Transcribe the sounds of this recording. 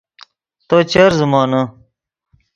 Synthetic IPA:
t̪oːt͡ɕeɾzumɑːnɐ

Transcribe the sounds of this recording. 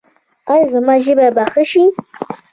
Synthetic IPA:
ajzɨmaʒibabaχəʃi

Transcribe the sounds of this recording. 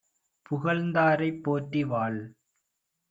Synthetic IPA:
pʊɣɐɭnd̪aːɾɐɪpːoːʈːiʋaːɭ

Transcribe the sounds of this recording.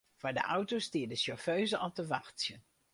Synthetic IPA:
v̥aːɹdə̰ʔʌwtostɪːdəʃɔɹføɥzəʔɑlˠtəʋɑχtsjən

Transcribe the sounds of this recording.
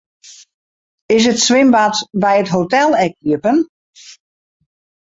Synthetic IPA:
ɪs̬ətsʋɪmbatbɛjətɦotɛlˠɛk̚iəpən

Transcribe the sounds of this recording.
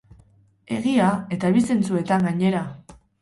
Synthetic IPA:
e̞̰ɣiae̞t̪aβise̞nt͡sue̞t̪aŋɡaɲe̞ɾa

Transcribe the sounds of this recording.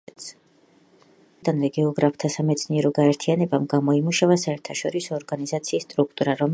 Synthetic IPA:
t̪s | d̪anvɛɡɛɔɡɾapʰt̪ʰasamɛt̪sʰniɛɾɔɡaɛɾt̪ʰianɛbamɡamɔimuʃavasaɛɾt̪ʰaʃɔɾisɔːɾɡanizat̪sʰiːst̪ʼɾuk̚ʰt̪ʼuɾaɾɔm

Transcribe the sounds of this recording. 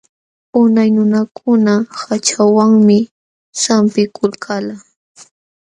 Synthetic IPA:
ʊnajnʊnakʰʊnahat͡ʃawaŋmɪ | sampɪkʰʊlkʰala

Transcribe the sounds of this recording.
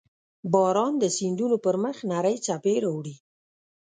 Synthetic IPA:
bɑɾɑnd̪əsind̪unopəɾməxnaɾəjt͡sapeɾawɽi

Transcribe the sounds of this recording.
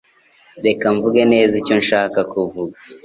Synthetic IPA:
ɾe̞kaɱvuɡene̞ːzico̞nʃaːkakuvuɡa

